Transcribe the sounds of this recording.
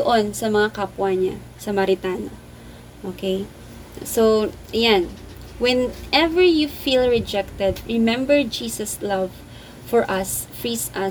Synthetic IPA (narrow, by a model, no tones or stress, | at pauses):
d̪oʔonsɐmɐŋakapwɐɲa | sɐmɐɾɪt̪ano | ʔokʰej | so | ʔɐjan | wɛ̃nʔɛvɛɹjufilɹɛd͡ʒɛk̚t̪ɛd̪̚ɹɪmɛ̃mbɛɹd͡ʒiːsɐslɐv | fɔɹʔɐsfɹisʔɐ